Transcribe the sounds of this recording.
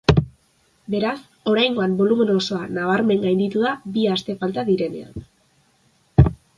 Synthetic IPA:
be̞ɾas | o̞ɾajŋɡo̞ambo̞lumenoso̞anaβ̞aɾme̞ŋɡajnd̪it̪uðabiast̪e̞falt̪aðiɾe̞ne̞̰a̰n

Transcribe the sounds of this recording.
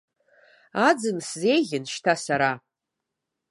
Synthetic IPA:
ad͡zɨnsze̞jɣʲɪnʃtʰasaɾa

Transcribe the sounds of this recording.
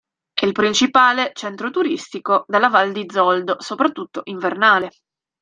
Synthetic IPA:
ɛilpɾint͡ʃipaːlet͡ʃɛnt̪ɾot̪uɾist̪ikod̪elːavald̪id̪zːɔld̪osopɾat̪ːut̪ːoʔiɱvernaːle

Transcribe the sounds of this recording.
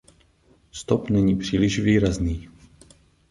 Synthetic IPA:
st̪ɔpnɛɲiːpr̝̥iːlɪʃviːɾazniː

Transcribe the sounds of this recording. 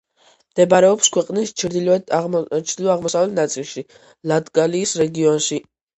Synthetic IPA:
md̪̥ɛbaɾɛɔpskʰwɛqʼnist͡ʃʰɾd̪i | t͡ʃʰd̪ilɔaʁmɔsavɛlnat̪sʼilˠʃi | lad̪ɡaliːsɾɛɡiɔnʃi

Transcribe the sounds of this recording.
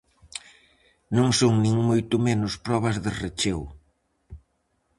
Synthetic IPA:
nõŋsoŋnĩŋmojt̪ʊmenʊspɾɔβɐzðɪret͡ʃew

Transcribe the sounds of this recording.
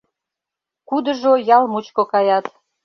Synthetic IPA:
kud̪ə̆ʒojɑlmut͡ɕkokɑjɑt̪

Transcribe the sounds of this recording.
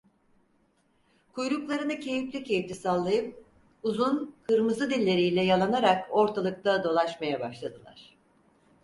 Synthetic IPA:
kʰujɾuklˠaɾɯnɯcʰe̞jiplʲicʰe̞jift̪ʰisalˠːajɯp̚ | uzunkʰɯɾmɯzɯd̪ilʲːe̞ɾijlʲɛjalˠanaɾako̞ɾt̪ʰalˠɯk̚t̪ʰad̪o̞lˠaʃmajabaʃlˠad̪ɯlˠa̰ɾ̥

